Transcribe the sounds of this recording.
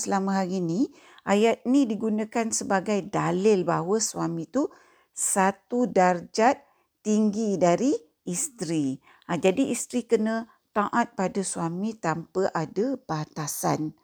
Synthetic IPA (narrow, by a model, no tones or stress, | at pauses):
səlamə̃ɦaɾini | ʔajat̪̚nĩdiɡunãkansəbaɡajdalɪlbaɦwəswamĩt̪u | sat̪udard͡ʒat̪̚ː | iŋɡidaɾiː | st̪ɾi | ad͡ʒadiʔist̪ɾikənã | t̪aʔat̪̚padaswamĩt̪ampəʔadabat̪asan